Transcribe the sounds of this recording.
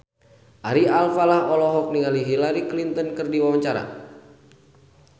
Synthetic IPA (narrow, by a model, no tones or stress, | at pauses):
ʔaɾialfalahɔlɔɦɔk̚niŋaliɦilaɾiklint̪ɔnkɨrdiwawaɲt͡ʃaɾa̰